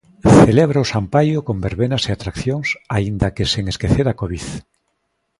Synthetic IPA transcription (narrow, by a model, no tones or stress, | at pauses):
θeleβɾaʊsampajʊkombeɾβenaseat̪ɾakθjoŋsaind̪akeseŋeskeθeɾakoβiθ